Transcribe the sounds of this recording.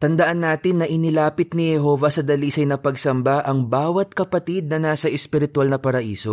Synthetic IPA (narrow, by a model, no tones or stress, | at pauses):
t̪ɐnd̪ɐʔanːaːt̪ɪnːɐʔɪnɪlaːpɪt̪̚nɪhɛɦo̞vɐsɐd̪ɐliːsɐjnɐpɐɡsɐmbaʔɐŋbaːwɐt̪̚kɐpɐt̪id̪̚nɐnaːsɐʔɛspɪɾɪt̪ʊwalnɐpɐɾɐʔḭːso̞